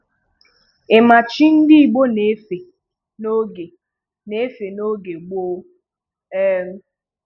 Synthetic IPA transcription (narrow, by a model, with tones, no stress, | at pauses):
e˨ma˨t͡ʃi˦n̩˦dɪ˦i˨ɡ͡bo˦ne˨˦fe˨ | no˦ɡe˨ | ne˨˦fe˨no˦ɡe˨ɡ͡bo˦ | e˦m̩˦